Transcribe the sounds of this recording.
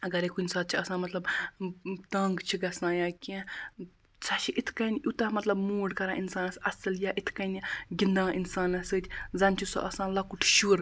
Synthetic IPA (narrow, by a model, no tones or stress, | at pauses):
ɐɡɐɾekunʲsaːt̪̚t͡ʃʰiɐsãːmɐt̪lɐb | t̪ɐ̃ːŋɡt͡ʃʰiɡɐsnãːjaːkʲẽ | t͡sʰɐt͡ʃʰiʔit̪ʰkɐnʲut̪ɐmɐt̪lɐbmuːɖkɐɾãːʔinsaːnɐsɐsɐljaʔit̪ʰkɐniɡʲind̪ãːʔinsaːnɐsɨːt̪ʲʰzɐnʲt͡ʃʰiso̰ʔɐsãːlɐkuʈʰʃuːɾ